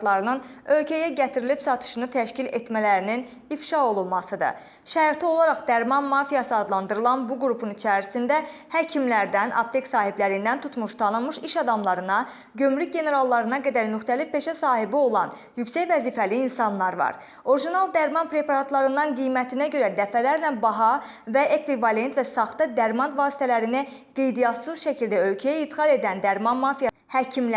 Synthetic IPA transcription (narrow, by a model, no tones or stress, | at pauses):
lˠɑɾɯnɯnø̞lcʰæjæɟæt̪ʰiɾilipsɑt̪ʰɯ̥ʃɯnɯt̪ʰæʃcilet̪mælæɾinin | ifʃɑo̞lˠulˠmɑsɯd̪ɯ̰ | ʃæɾt̪ʰio̞lˠɑɾɑχd̪æɾmɑnmɑɾfijɑsɯɑd̪lˠɑnd̪ɯɾɯlˠɑnbuɡɾupʰunit͡ʃʰæɾisind̪æ | hæcʰimlæɾd̪ænʔɑ̰bt̪ʰeksɑːɦiblæɾind̪ænt̪ʰut̪ʰmuʃt̪ʰɑnɯmɯʃiʃɑd̪ɑmlˠɑɾɯnɑ | ɟømɾyc̚ɟe̞ne̞ɾɑlˠːɑɾɯnɑɡæd̪æɾmyxt̪ælifpe̞ʃæsɑːɦibio̞lˠɑn | jycsæcvæziːfæliːnsɑnlˠɑɾvɑ̰ɾ | o̞ɾiʒinɑlˠd̪æɾmɑnpʰɾe̞pɑɾɑt̪ʰlˠɑɾɯnd̪ɑnɡijmæt̪ʰinæɟø̞ɾæd̪æfælæɾlæbɑɦɑ | væʔe̞kʰvivɑle̞nt̪væsɑχt̪ɯd̪æɾmɑnvɑːsi̥t̪ʰælæɾinæ | ɡ̥e̞jd̪ijɑt̪sɯzʃæcʰild̪æø̞lcʰæjæit̪ɡɑlˠe̞d̪ænd̪æɾmɑnmɑfij | hæcʰiml